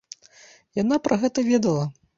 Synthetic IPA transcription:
janapɾʔɐɣɛt̪ɐvʲɛd̪ɐlˠɐ

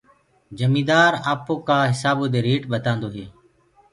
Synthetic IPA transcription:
d͡ʒəmiːd̪aːɾaːpoːkaːɦɪsaːboːd̪eːɾiːʈɓət̪ãːnd̪oːɦeː

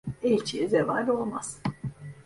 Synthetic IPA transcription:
elt͡ʃʰijizevaːɾʲo̞lˠmaz̥

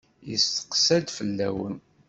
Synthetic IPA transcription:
jəst̪ə̥qsæd̪fəlːæwən

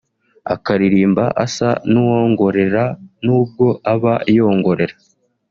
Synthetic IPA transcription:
a̰kaɾiɾiːmbaʔasanuwoŋɡo̞ɾe̞ɾanuːb̚ɡo̞ʔaβaijo̞ːŋɡo̞ɾe̞ɾa

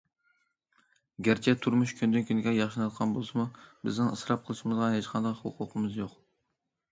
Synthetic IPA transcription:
ɡʲæɾt͡ʃʰɛt̪ʰuɾmuʃkʲʰynd̪ynkʲʰynɪɡʲɛjɑχʃɨnɑt̪̚qʰɑnbolˠɨsɨmubɪznɪŋɨsɾɑp̚qʰəlˠɨʃimɨzʁɑɦet͡ʃqʰɑnd̪ɑqhʊ̰qʰʊqʰəmɨzjoq

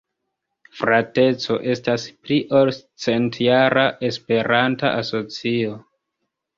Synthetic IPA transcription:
fɾate̞t͡so̞ʔe̞staspɾiʔolt͡se̞ntjaɾaʔe̞spe̞ɾanta̰ʔaso̞t͡sio̞

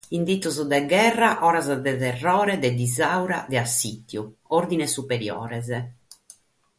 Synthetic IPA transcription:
ind̪it̪ːuzd̪ɛɡɛrːaʔɔːɾazd̪ɛt̪ɛrːɔːɾɛd̪ɛd̪izawɾa̰d̪ɛasːit̪ːjuoɾd̪inɛsupeɾjɔ̰ːɾɛzɛ

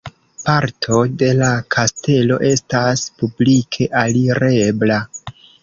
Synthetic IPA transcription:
paɾtʰo̞de̞lakʰaste̞lo̞̰ʔe̞staspublikʰe̞ʔaliɾe̞bla

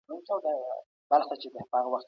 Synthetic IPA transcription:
ukawd̪a | b̥alxat͡ʃed̪apəɑɣawaxt̪

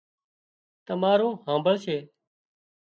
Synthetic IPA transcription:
t̪əmaːɾõːhãːmbəɭʃeː

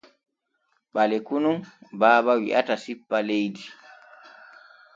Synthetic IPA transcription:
ɓalɛkunubaːbawḭʔatasipːalejdi

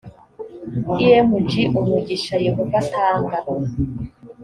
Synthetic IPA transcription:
ijemud͡ʒiʔumiɟiʃajeɦovatʰaːŋɡaɾo

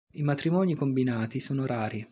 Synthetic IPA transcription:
imat̪ɾimɔːnikombinaːt̪isoːnoɾaːɾi

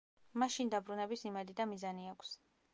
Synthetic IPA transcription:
maʃind̪abɾunɛbisimɛd̪id̪amizaniakʷʰs

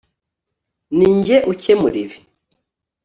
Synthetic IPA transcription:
niːɲɟeʔucemuɾiβi̥

